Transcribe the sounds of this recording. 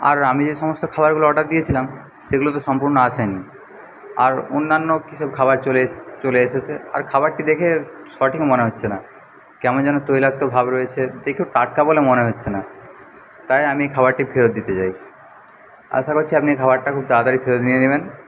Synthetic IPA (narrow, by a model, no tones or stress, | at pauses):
a̰ɾamid͡ʑeʃɔmost̪okʰaβaɾɡuloɔɖaɾd̪ijet͡ɕʰilam | ʃeɡulot̪oʃɔmpuɾnoaʃʰajni | a̰ɾo̰nːanːokiʃɔb̚kʰabaɾolet͡ɕoleeʃet͡ɕʰea̰ɾkʰabaɾʈid̪ekʰe | ʃɔʈikmoneɦotːɕʰena | kɛmond͡ʑɛnot̪ojlak̚t̪obʱabɾojet͡ɕʰed̪ekʰeʈaʈ̚kabolemoneɦotːɕʰena | t̪ajamiekʰaβaɾʈifʰeɾod̪̚ːit̪et͡ɕaj | a̰ʃakoɾt͡ɕʰiapniekʰaβaɾʈakʰub̚d̪aad̪aɾifʰeɾod̪nieneβen